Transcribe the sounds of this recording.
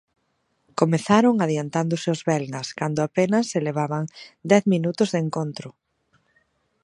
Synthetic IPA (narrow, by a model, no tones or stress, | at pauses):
komeθaɾoŋaðjant̪and̪ʊsɪozβɛlnɐskand̪ʊapenɐsːeleβ̞aβɐŋd̪ɛθminut̪ʊzðeŋkont̪ɾʊ